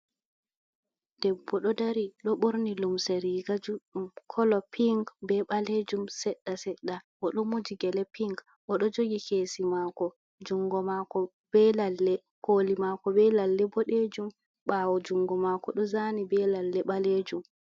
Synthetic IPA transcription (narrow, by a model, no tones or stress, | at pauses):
d̥ɛbːɔɗɔdaɾiɗɔɓoɾnilumseɾiːɡad͡ʒuɗumkʰɔlɔpʰiŋɡbɛɓaled͡ʒumsɛɗːasɛɗːaʔɔɗɔmod͡ʒiɡɛlɛpiŋɡ | ʔɔɗɔd͡ʒoɡikeːsimakɔ | d͡ʒuŋɡɔmakɔ | b̥ɛlalːɛ | kolimakɔbɛlalːɛbɔɗed͡ʒum | ɓawɔd͡ʒuŋɡɔmakɔɗɔzanibɛlalːɛɓaleːd͡ʒum